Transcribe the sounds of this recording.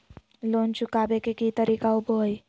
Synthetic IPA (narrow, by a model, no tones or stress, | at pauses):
lont͡ɕukabekekit̪əɾikauboj